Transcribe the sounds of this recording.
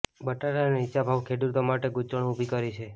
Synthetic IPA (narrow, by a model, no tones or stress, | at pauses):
bəʈaɾaneiːt͡ʃʰabʱaʋkʰed̪uɾt̪omaʈeɡut͡ʃəɳ̃ubʱikəɾit͡ʃʰe